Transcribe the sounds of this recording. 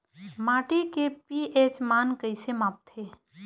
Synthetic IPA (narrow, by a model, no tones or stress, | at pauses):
maːʈikepiʔeːt͡ʃmaːnkəɪsemaːp̚t̪ʰeː